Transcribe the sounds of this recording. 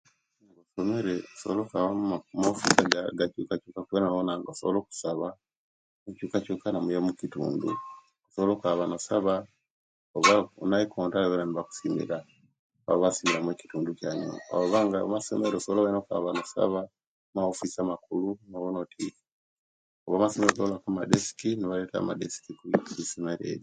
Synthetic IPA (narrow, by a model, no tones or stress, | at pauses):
ŋɡosome̞ɾeosoβolokaβamaofisaɡaɡacuːkacukakuwenaβonaŋɡosoβolo̞ku̥saβa | ecuːkacuːkanamujemucitṵːndṵ | osoβolokaβanosaβa | oβaonaikʰoːntalaβeɾaniβaku̥simḭɾa | βa̰βaβasimiɾamweci̥tuːnducaːɲo̰a̰oβaːŋɡaomasḛmeɾosoβoloβenoka̰βanosa̰βa | maofisamakulunoβonotʰiki̥ | oβamasemeɾosoβolakamadesi̥kiniβaleta̰ma̰desi̥kikuiisimeɾḛɾi